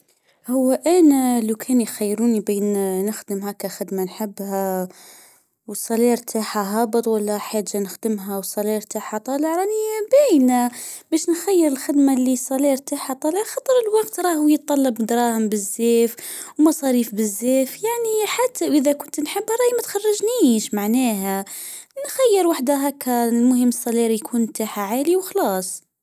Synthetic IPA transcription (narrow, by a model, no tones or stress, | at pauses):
hʊwːæʔæːnælukʰænjxajːɾunibiːnnəxd̪əmhækæxəd̪manħɪbːhæ | wsˤɑliɾt̪ʰaħaɦɑbət̪ˤwælːæħad͡ʒːanəxd̪əmɦæwsˤɑliɾt̪aħat̪ˤɑləʕɾˤɑnibæjnabæʃnxæjːəɾəlxɪd̪malisˤɑliːɾt̪aħat̪ˤɑləʕxɑt̪ˤəɾˤəlwɑqt̪ɾˤɑːhjət̪ˤːɑlːɑbd̪ɾˤɑːhəmbɪzːeːfwmɑsˤɑɾiːfbɪzːeːfjaʕniħat̪ːaʔɪðækʊnt̪nħəbːɑɾˤɑːjmæt̪xɑrˤːɑʒniːʃmaʕnæːɦænxajːəɾwaħd̪aɦækːælmʊhəmːəsˤːɑliːɾjkʰuːnt̪aħaʕaːliwxlɑːsˤ